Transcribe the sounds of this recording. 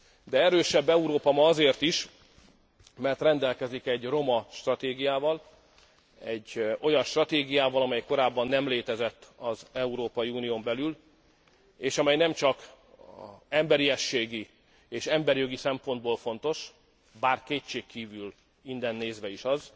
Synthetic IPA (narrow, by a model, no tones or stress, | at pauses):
d̪ɛɛɾøːʃɛbːɛuɾoːpɒmɒːzeːrt̪iʃ | mɛrt̪rɛnd̪ɛlkɛzikɛɟro̞mɒʃt̪rɒt̪eːɡijaːvɒl | ɛɟːo̞jɒnʃt̪rɒt̪eːɡijaːvɒlɒmɛjko̞ɾaːbːɒnːɛmleːt̪ɛzɛt̪ːɒzɛuɾoːpɒjiuːnijoːmbɛlyl | eːʃɒmɛjnɛmt͡ʃɒk | ɛmbɛɾiɛʃːeːɡi | eːʃɛmbɛɾjoɡisɛmpo̞nd̪boːlfo̞nt̪o̞ʃ | baːrkeːtt͡ʃːeːkːiːvyl | ind̪ɛnːeːzʋɛiʃɒz